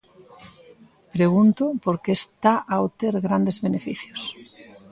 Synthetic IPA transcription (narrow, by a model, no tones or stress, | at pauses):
pɾeɣunt̪opoɾkeːst̪aʔaot̪eɾɣɾand̪ezβenefiθjos